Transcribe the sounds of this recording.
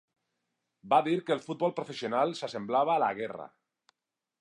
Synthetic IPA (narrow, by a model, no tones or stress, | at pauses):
baðiɾkeːlfut̪̚βɔlˠpɾofesionalsasemblaβ̞aːla̰ɣ̞era̰